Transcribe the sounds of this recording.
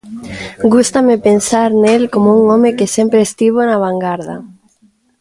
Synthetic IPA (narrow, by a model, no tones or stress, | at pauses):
ɡust̪amepensaɾnelkomouŋomekesempɾeːst̪iβ̞onaβaŋɡaɾða̰